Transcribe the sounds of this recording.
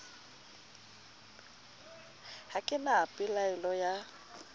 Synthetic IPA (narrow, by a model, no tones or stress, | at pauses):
hakʼɪnaːpʼɪlaɛlɔja